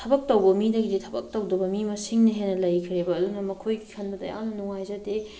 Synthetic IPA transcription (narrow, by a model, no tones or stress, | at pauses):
tʰɐbɐk̚tɐwbɐmidɐɡiditʰɐbɐk̚tɐwdɐbɐmimɐsiŋnɐɦenːɐlɐjkʰiɾebɐːdunɐmɐkʰojɡikʰɐndɐdɐ̰ja̰ŋnɐnuŋajzɐde